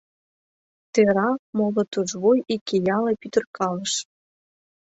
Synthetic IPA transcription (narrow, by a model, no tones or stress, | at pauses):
t̪eɾɑmolɤ̆t̪uʒβojikejɑlepyt̪ə̆rkɑlə̆ʃ